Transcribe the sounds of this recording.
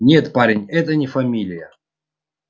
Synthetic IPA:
nʲet̪paɾʲɪnʲɛt̪ənʲɪfɐmʲilʲɪjə

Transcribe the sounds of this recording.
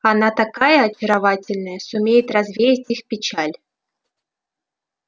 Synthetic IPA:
ɑnɑt̪ɑkɑjəːt͡ɕə̆ɾɐvɑtʲɪlʲnəjəsumʲejɪt̪rɑzvʲejɪtʲixpʲit͡ɕælʲ

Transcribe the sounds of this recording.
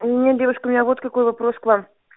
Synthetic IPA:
nʲedʲevʊʃkəmɪnʲavot̪kɐko̞jvɐpɾoskvam

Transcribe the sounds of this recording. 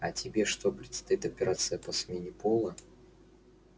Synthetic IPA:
ɐtʲɪbʲe̞ʂt̪o̞pɾʲɪt̪st̪ɐit̪ɐpʲɪɾat̪sɨjəpɐsmʲenʲɪpolˠə

